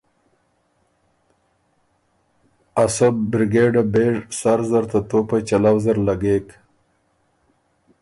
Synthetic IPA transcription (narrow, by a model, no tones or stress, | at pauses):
asabɾɪɡeɖabeʐsaɾzaɾt̪at̪opat͡ʃalawzəɾlaɡek